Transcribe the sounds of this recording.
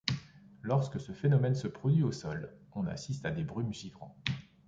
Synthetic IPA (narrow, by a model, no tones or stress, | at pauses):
lɔʁskəsəfenɔmɛnsəpχɔd̪ɥiosɔlɔ̃na̰sist̪ad̪ebʁymʒivʁɑ̃